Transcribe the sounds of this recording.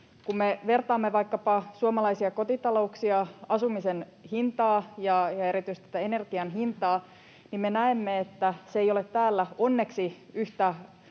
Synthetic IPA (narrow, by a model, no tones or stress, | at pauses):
kumːeʋe̞rt̪ɑːmːeʋɑikːɑpɑsuɑmɑlɑisiɑko̞t̪it̪ɑlo̞uksiɑɑsumisen | hint̪ɑːjɑjɑe̞ɾit̪yist̪ːt̪æene̞rɡ̥iɑnɦint̪ɑː | nimmenæemːeet̪ːæseejo̞let̪t̪ːæːlːæo̞nːe̞ksi | yht̪æ